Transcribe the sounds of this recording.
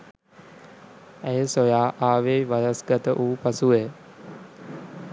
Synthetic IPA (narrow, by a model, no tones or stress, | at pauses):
æjəsojaːʔaːʋejʋaɾasɡat̪əʔuːpasuʋe